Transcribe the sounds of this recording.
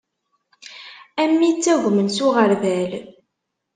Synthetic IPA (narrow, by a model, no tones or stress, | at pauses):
æmːit͡sːæʝəmənsʊʁəɾvæl